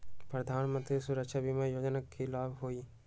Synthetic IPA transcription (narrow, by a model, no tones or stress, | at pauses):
pɾɐd̪ʱaːnmə̃nt̪ɾisuɾəkʃabimajoːd͡ʒnakʰːilaːbɦoiː